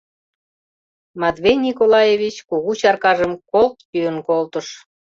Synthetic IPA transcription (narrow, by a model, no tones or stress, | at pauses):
mɑd̪βejnʲikolɑjevʲit͡ɕkoɣut͡ɕɑrkɑʒəmkolt̪pyənkolt̪əʃ